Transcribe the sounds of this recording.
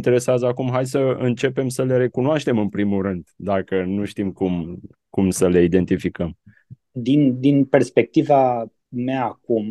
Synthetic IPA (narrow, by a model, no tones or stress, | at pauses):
nt̪e̞ɾe̞seazəakumɦajsəɨnt͡ʃe̞pe̞msəle̞ɾe̞kunoaʃt̪e̞mɨnpɾimulrɨnd̪d̪akənuʃt̪imkum | kumsəle̞id̪e̞nt̪ifikəm | d̪ind̪inperspe̞k̚t̪iva | meaːkum